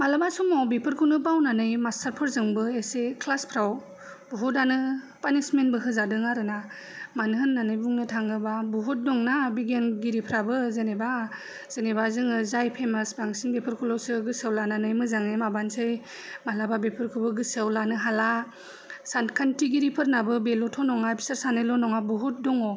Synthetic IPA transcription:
malabasumɔbepʰɯɾkʰɯnɯp̬awnanɯjmastaɾpʰɯɾzɯŋbɯesekʰlaspʰɾaw | buɦutanɯ | panismenbɯɦɯzadɯŋaɾɯna | manɦɯnːanɯjbuŋnɯtʰaŋɡɯbabuɦut̚dɔŋnabiɡenɡiɾipʰɾabɯzeneba | z̥enebazɯŋɯzajpʰemasbaŋsinbepʰɯɾkʰulɔwsɯɡɯsawlananɯjmɯzaŋemabansɯj | malababepʰɯɾkʰɯbɯɡɯsawlanɯɦala | santkʰantiɡiɾipʰɯɾnabɯbelɔtʰɔnɔŋabʰi̥saɾsanelɔnɔŋabuɦut̚dɔŋɔ

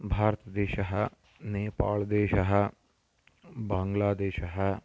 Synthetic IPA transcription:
bʱaːɾt̪ɐd̪eːʃɐɦɐ | neːpa̰ːld̪eːʃɐɦə̆ | bãːŋɡlaːd̪eːʃɐɦɐ̆

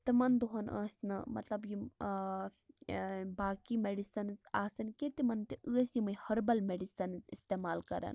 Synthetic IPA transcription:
t̪imɐnd̪oɦɐnʔɐ̰ːsʲnɐmɐ̰t̪lɐbji | baːkimeɖisɐnzaːsɐnket̪imɐnt̪iʔəːsjimɐjhɐɾbɐlmeɖisɐnzist̪eːmaːlkɐ̰ɾɐ̰n

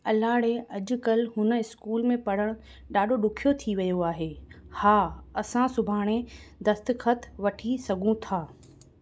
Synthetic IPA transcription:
ɐlaːɽeɐʄʊ̆kɐlɦʊnə̆ɪskuːlmẽpɐɽ̤əɽ̃ | ɗaːɖʱoɗʊkʰijot̪ʰiʋɐjoaːɦeːhaːɐsãsʊbʱaːɽ̃ed̪ɐst̪xʰət̪ʰʋɐʈʰisɐɡʱũt̪ʰaː

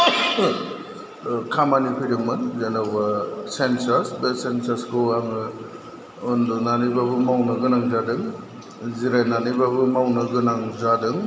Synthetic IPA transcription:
kʰamanipʰɯjɾɯŋmɯnzenawbasensasbesensaskʰoaŋɯ | ɔndɔnanɯbabɯmawnɐɡɯnaŋzadɯŋ | ziɾajnanɯbabɯmawnɯɡɯnaŋzadɯŋ

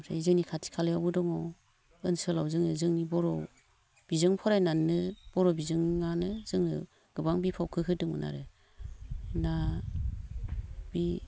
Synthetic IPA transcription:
msa̰zɯŋnikʰatʰi̥kʰalɯjawbɯdɔŋɔ | ɯnsɯlawzɯŋnɯzɯŋnibɔɾɔ | b̥izɯŋpʰɔɾajnanɯb̥ɔɾɔbizɯŋːanɯzɯŋnɯ̰ | ɡ̥ɯbaŋbipʰawkʰɯkʰɯdɯŋmɯ̰nʔa̰ɾɯ | na | b̥i

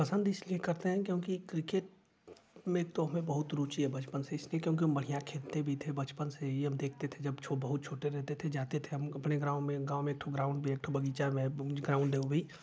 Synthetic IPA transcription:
pɐsə̃nd̪ɪsliekɐɾt̪eɦɛ̃kjõːkikɾɪkeːʈ | mẽːk̚t̪oɦɐmẽbɐɦʊt̪ɾuːt͡ʃiɦɛbɐt͡ʃpənseɪsliekjõːk̬iɦɐmbɐɽ̤ijãkʰeːlt̪ebʱit̪ʰebɐt͡ʃpənseiɦɐmd̪eːkʰt̪et̪ʰed͡ʒɐbt͡ʃʰobɐɦʊt̪̚t͡ʃʰoːʈeɾɛɦt̪et̪ʰed͡ʒaːt̪et̪ʰeɦɐmɐpneɡɾãːʊ̃mẽɡaːomẽːk̚ʈʰoɡɾaːʊ̃ɳɖ̚bʱieːk̚ʈʰobɐɡiːt͡ʃamẽɡɾaːʊ̃ɳɖd̪eːobʱiː

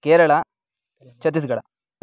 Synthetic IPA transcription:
keːɾɐɭɐ | t͡ʃɐt̪̬ːis̬ɡɐɽɐ̰

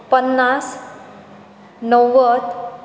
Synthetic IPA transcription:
pənːas | nəwːət̪

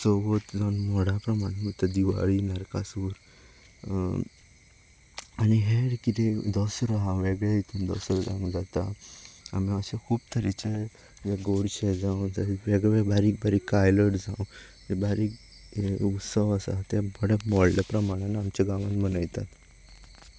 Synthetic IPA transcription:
sɔʋət̪d͡zɔnmɔɽapɾəmaɽ̃emət̪əd̪iʋa̰ɭinaɾka̰suːɾ | aniɦeɽkit̪ed̪ɔsɾɔɦãʋeɡɭeit̪ʰund̪ɔ̰sɾɔd͡zã̰w̃d͡zat̪aa̰miəɕekʰuːb̚t̪ʰəɾit͡ɕe | d͡ʑeɡoɽɕed͡zãwd͡zaʋeɡɭebʱaɾiːk̚bʱaɾiːkːajləʈd͡zãw | d͡ʑebaɾiːk | ut̪səʋasa̰t̪jabəɽamɔɽlapɾəmaɽ̃anaːmt͡ɕaɡaʋãt̪mənəjt̪at̪

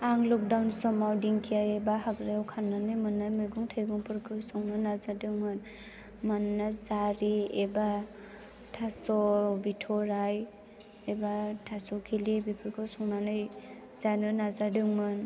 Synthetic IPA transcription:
aŋlɔk̚dawnsɔmawdiŋkʰijajebahaɡɾajawkʰanːanɯjmɯnːɯmɯɡuŋtʰajɡuŋpʰɯɾkʰɯsɔŋnɯnazadɯŋmɯn | manːazaɾieba | tʰasɔbitʰɔɾaj | ebatʰasɔkʰilibipʰɯɾkʰɯsɔŋnanɯj | zanɯnazadɯŋmɯn

